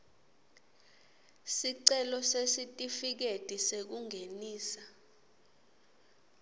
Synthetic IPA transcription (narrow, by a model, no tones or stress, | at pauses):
siǀɛlɔsesitʼifik̬etʼisek̬uŋʱeniːsa